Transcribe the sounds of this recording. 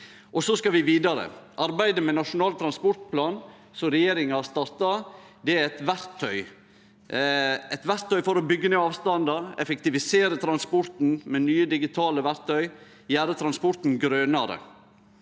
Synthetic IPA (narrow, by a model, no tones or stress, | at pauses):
ʔɔsɔskɑʋɪʋiːd̪ɑɾə̰ʔɑɾbæɪd̪əmɛnɑʂʊnɑːlt̪ʰɾɑnspɔɾt̪pʰlɑːn | sɔɾɛjeːɾɪŋɑst̪ɑɾt̪ɑ | d̪ɛæɾɛt̪ʋæɾt̪ʰːœʏ | ɛt̪ʋæɾt̪ʰːœʏfɔɾɔbʏɡːənɛɑːʋst̪ɑnd̪ɑɛfɛkt̪ɪʋɪseːɾət̪ʰɾɑnspɔɾt̪n̩mɛnyːəd̪ɪɡɪt̪ʰɑːləʋæɾt̪ʰœʏ | jæːɾət̪ʰɾɑnspɔɾt̪n̩ɡɾøːnɑɾə̰